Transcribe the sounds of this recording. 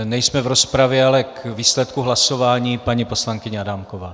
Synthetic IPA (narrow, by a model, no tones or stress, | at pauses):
nɛjsmɛvɾo̞spɾavjɛalɛkviːslɛt̪̚kuɦlaso̞vaːɲiːpaɲipo̞slaŋkɪɲɛadamkovaː